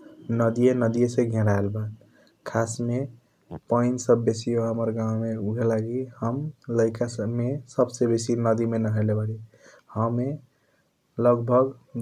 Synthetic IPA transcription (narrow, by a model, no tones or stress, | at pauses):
nəd̪ijenəd̪ijesẽɡʱẽɾaelbat̪ | kʰasme | pəɪnsəbːesijoɦəməɾɡãwmeuɡʱelaɡihəmləɪkasəmesəbsebesinəd̪imenəɦelebaɽi | həme | ləɡbʱəɡ